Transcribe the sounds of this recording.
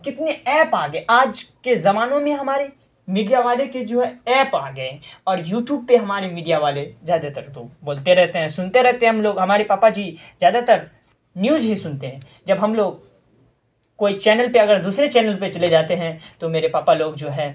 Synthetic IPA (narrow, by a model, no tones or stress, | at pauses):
kɪt̪neɛːpaːɡeʔaːd͡ʒkezɐmaːnõmẽɦɐmaːɾe | miːɖijaʋaːleked͡ʒoːɦɛɛːpaːɡɐeɔːɾjuːʈjuːb̚peɦɐmaːɾemiːɖijaʋaːlezjaːd̪at̪əɾt̪oboːlt̪eɾɛɦt̪eɦɛ̃sʊnt̪eɾɛɦt̪eɦɛ̃ɦɐmloːɡɦɐmaːɾepaːpad͡ʒiːzjaːd̪at̪əɾ | njuːzɦisʊnt̪eɦɛ̃ː | d͡ʒɐbɦɐmloːɡ̚ | koːit͡ʃɛːnəlpeɐɡəɾd̪uːsɾet͡ʃɛːnəlpet͡ʃɐled͡ʒaːt̪eɦɛ̃t̪omeːɾepaːpaloːɡd͡ʒoːɦɛː